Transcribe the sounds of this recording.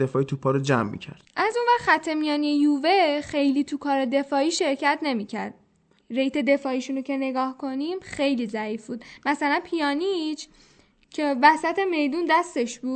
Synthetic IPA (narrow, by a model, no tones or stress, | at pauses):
efɒːit̪upʰɒɾod͡ʒæmːḭcʰæ̰ɾd̪̥ʔæzunvæɾxæt̪ʰːe̞mijɒːniejuːvexe̞jliːt̪ʰukʰɒːɾed̪e̞fɒːiːʃe̞ɾcæt̪ʰne̞miːcʰæɾd̪̥̚ | ɾejt̪ʰe̞d̪e̞fɒːiʃuːnocʰe̞ne̞ɡɒːhkʰo̞niːmxe̞jliːzæiːfbuːd̪mæsælænpʰijɒːnit͡ʃʰ | cʰe̞væsæt̪ʰe̞me̞jd̪und̪æst̪e̞ʃbu̥ː